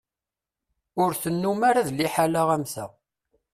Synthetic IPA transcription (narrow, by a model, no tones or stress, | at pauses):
ʊɾθənːumaɾaðliħalaʁæmθæ̰